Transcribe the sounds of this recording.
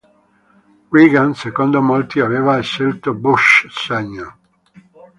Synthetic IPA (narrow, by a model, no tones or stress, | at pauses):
wiɡansekond̪omolt̪iaveːvaeʃːelt̪obuʃsaɲːo